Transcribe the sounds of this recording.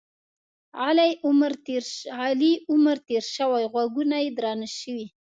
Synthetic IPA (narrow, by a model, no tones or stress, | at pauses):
ɑlajʊmɾeɾɑliʊməɾt̪eɾʃəwajɣwaɡunajed̪ɾɑnaʃəwi